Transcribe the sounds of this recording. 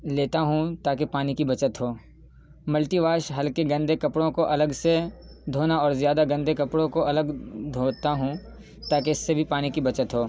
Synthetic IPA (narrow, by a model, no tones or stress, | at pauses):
leːt̪aɦũt̪aːk̬epaːnikibɐt͡ʃət̪ɦoː | mɐlʈiʋaːʃɦɐlkeɡɐ̃nd̪ʱekɐpɽõkoʔɐləɡse | d̪ʱoːnaɔːɾzjaːd̪aɡɐ̃nd̪ʱekɐpɽõkoɐləɡd̪ʱoːt̪aɦũ | t̪aːkeɪsːebʱipaːnikibɐt͡ʃət̪ɦoː